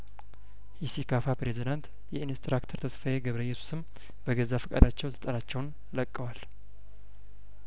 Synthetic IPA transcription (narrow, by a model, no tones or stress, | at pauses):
hisikʰafapɾezid̪ant̪ | jɛinst̪ɾakt̪ʰəɾt̪ʰəsfajeɡəβɾəjːɛsu̥sɨm | b̥əɡəzafəkʼa̰d̪at͡ʃːɛwt̪ʰɨ̥t̪ʼəɾat͡ʃːɛwn | ləkʼːəwal